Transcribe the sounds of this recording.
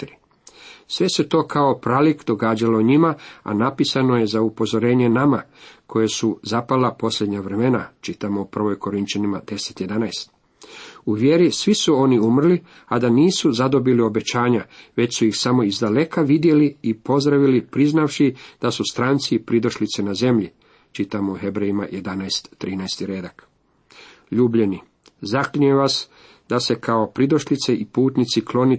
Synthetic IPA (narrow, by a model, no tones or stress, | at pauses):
t̪iɾi | sʋe̞se̞t̪o̞ːkʰao̞pɾalikd̪o̞ɡaːd͡ʑalo̞ɲimaa̰napisano̞je̞zaupo̞zo̞ɾe̞ːɲe̞namakʰo̞jesuzapalapo̞slʎʲe̞d̪ɲaʋɾe̞me̞nat͡ʃit̪amo̞upr̩ʋo̞jko̞ɾint͡ʃanimad̪̥e̞set̪jed̪anajst̪ | uʋjeɾisʋisuo̞niumr̩li | ad̪aniːsuzad̪o̞bilio̞be̞t͡ɕaːɲaʋe̞t͡ɕsuixsamo̞izd̪ale̞kʰaʋid̪je̞liːpo̞zd̪ɾaʋilipɾiznaʋʃid̪̥asust̪ɾant̪sipɾid̪o̞ʃlit̪senaze̞mʎi | t͡ʃit̪amouɦe̞bɾejima̰je̞d̪anajst̪ːɾiːnajst̪iɾe̞ːd̪ak | ʎuːbʎe̞ni | zakliemʋas | d̪ase̞kʰao̞pɾid̪o̞ʃlit̪seʔipuːt̪nit̪siklo̞ni